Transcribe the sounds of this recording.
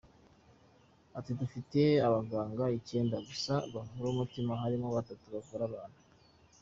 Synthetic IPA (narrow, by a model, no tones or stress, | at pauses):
atidufite̞aβaɡaːŋɡaice̞ːndaɡusaβaɦuɾomutimaɦaɾimoβatatuβakoɾaβaːn̥hu